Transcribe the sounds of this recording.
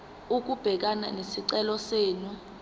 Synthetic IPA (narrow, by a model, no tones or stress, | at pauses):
uk̬ub̥ʱɛk̬ana̰nesiǀɛlɔseːnu